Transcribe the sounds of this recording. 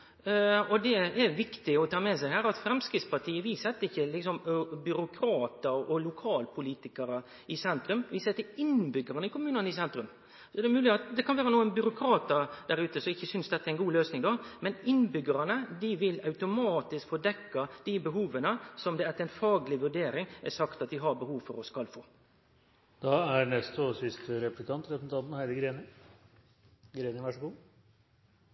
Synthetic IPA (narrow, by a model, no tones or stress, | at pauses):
ɔd̪ɛɛɾʋɪkt̪ɪɔt̪ʰɑːmɛsæɪhæːɾɑt̪fɾɛmskɾɪt̪spɑʈʰiːəʋisɛt̪ːəɾɪçːəlɪksɔmbʏɾʊkʰɾɑːt̪əɾɔlʊkʰɑːlpʰʊliːt̪ɪkəɾə | ɪsɛnt̪ɾʉmʋɪsɛːt̪ɪɪnbʏɡəɾənəɪkʰʊmʉːnənəɪsɛnt̪ɾʉm | sɔd̪ɛmʉːlɪɑt̪d̪ɛkʰɑnʋæːɾənuːənbʏɾʊkʰɾɑːt̪əɾd̪̥æɾʉːt̪əsɔmɪçːəsʏnsd̪ɛt̪ːəæɾɛnɡuːløːsnɪŋd̪ɔmɛnɪnːbʏɡəɾɑnəd̪ɪʋɪlɑʉt̪ʊmɑːt̪ɪskfɔd̪ɛkːɑd̪̥ɪbəɦuːʋənəsɔmd̪ɛɛt̪ːɛɪnfɑːɡlɪʋʉɖeːɾɪŋʔæ̰sɑkt̪ɑt̪̚d̪ɪɦɑbəhuːʋfɔɾɔskɑlfoː | d̪̥ɑæɾnɛst̪ɔsɪst̪ʰəɾɛplɪkʰɑnt̪ɾɛpɾsn̩ɑnt̪n̩hæɪd̪əɡɾeːnə | ɡɾeːnəʋæʂɡuː